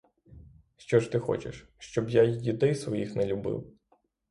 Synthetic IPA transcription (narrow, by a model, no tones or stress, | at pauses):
ʃt͡ʃɔʃt̪ɪxɔ̰t͡ʃḛʃ | ʃt͡ʃɔbjajid̪ɛjsʋɔjixnɛlʲʊbɪ̰w